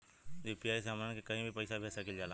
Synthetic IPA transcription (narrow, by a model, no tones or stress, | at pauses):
d͡ʒipɪjaːis̬aːmãːkekəɦĩbʱipəɪːsabʱeːsakɪld͡ʒaːlaː